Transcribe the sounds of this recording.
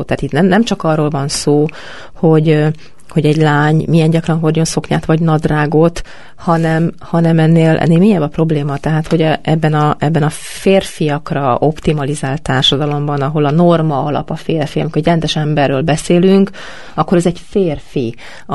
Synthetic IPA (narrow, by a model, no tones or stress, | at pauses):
t̪ɛːt̪it̪nɛmnɛmt͡ʃɒkɒrːoːlvɒnsoː | ho̞ɟ | ho̞ɟɛɟlaːɲmijɛnɟɒkrɒnɦorɟo̞nso̞kɲaːt̪ʋɒɟnɒd̪raːɡo̞t̪ | hɒnɛmhɒnɛmɛnːeːlʔɛ̰nːeːlmeːɲːɛbɒpro̞bleːmɒt̪ɛɦaːt̪ho̞ɟʔɛbːɛnɒʔɛbːɛnɒ | feːrfijɒkrɒo̞pt̪imɒlizaːlt̪ːaːrʃɒd̪ɒlo̞mbɒnɒɦo̞lɒno̞rmɒɒlɒ̰pɒfeːrfiɒmikorɛɟrɛnd̪ɛʃɛmbɛrːøːlbɛseːlyŋk | ɒkːoɾɛzɛɟfeːrfi